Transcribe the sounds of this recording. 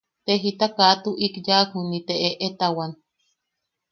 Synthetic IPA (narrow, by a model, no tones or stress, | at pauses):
t̪eɦit̪akat̪uʔikjakhunit̪eʔeʔet̪awan